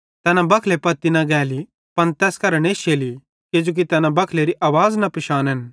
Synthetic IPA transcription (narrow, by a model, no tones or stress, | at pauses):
t̪ɛːnãbɐkʰlepɐt̪ːinɐɡɛːli | pɐnt̪ɛːskɐɾəɽ̃eːʃʰeːli | kɪd͡ʒoːk̬it̪ɛːnãbɐkʰleɾiʔaːʋaːznɐpɪʃaːnɦɛn